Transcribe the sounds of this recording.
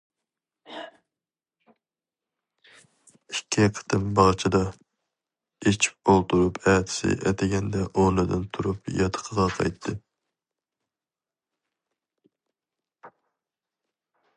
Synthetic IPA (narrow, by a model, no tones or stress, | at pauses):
ikʲʰːiɛqʰə̥t̪ʰɨmbɑʁt͡ʃʰid̪ɑ | et͡ʃʰi̥p̚bolˠt̪ʰuɾupʰɛt̪ʰɪ̥sɪ̰ʔɛt̪ʰɪɡʲɛnd̪ɛʔonɨd̪ɨ̰nt̪ʰuɾupjɑt̪ʰə̥qʰəʁɑqʰɑ̰jt̪ʰːɨ